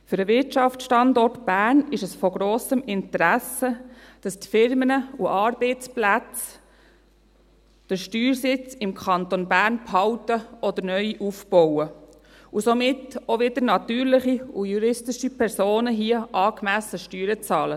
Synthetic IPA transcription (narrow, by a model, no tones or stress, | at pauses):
fʏɾəʋɪtʃɑft͡sʃtɑndɔrtb̥æːɾnɪʃɛsfɔɡɾoːsəmɪntəɾæsəd̥ɑstfɪɾmənəuʔɑːɾb̥eɪt͡splæt͡s | d̥əʃtyːɾsɪt͡sɪmkʰɑntonbæːɾnphɑʊtəɔd̪əɾnœʏiʔufb̥ɔwə | usomɪtoʋɪdəɾnɑt̪yːɾlɪχiujuɾɪstɪʃipʰɛɾsoːnəɦiəʔɑːkmæsəʃtyːɾət͡sɑːlə